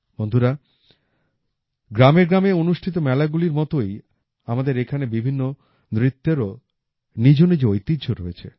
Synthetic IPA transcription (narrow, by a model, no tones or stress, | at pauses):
bond̪ʱuɾa | ɡɾameɾɡɾameonuʃʈʰit̪omɛlaɡuliɾmɔt̪oj | amad̪eɾekʰanebibʱinːo | nɾit̪ːeɾo | nid͡ʑonid͡ʑojt̪idd͡ʑʰʱoɾoet͡ɕʰḛ